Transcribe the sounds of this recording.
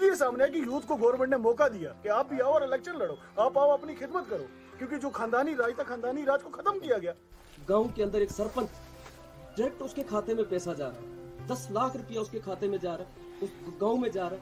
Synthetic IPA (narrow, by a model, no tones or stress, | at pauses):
lijes̬aːmneɛk̬ijuːt̪koɡɔːʋɾmẽɳʈnemɔːkad̪ija̰ːkeaːp̚bʱiaːoɔːɾɪlɛːkʃənlɐɽoː | aːpaːoɐpnixʰɪd̪mət̪kəɾo̰ː | kjõːkid͡ʒoːkʰãːnd̪aːniɾaːd͡ʒt̪ʰakʰãːnd̪aːniɾaːd͡ʒkokʰɐt̪əmkijaɡɐjaː | ɡãːũkeə̃nd̪əɾeːksəɾpə̃nt͡ʃ | ɖɪɾɛk̚ʈʊskekʰaːt̪emẽpɛːsad͡ʒaːɾa̰d̪ɐslaːkʰɾʊpjaʊskekʰaːt̪emẽd͡ʒaːɾ | ʊɡaːũmẽd͡ʒaːɾa